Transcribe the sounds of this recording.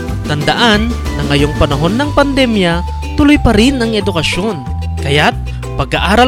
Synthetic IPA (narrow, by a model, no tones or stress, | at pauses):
t̪ɐnd̪ɐʔanːɐŋːɐjoŋpɐnɐɦo̞nːɐŋpɐnd̪ɛmjɐ | t̪ʊlojpɐɾɪnɐŋɛd̪ʊkɐʃo̞n | kɐjat̪̚ | pɐɡaʔaːɾɐ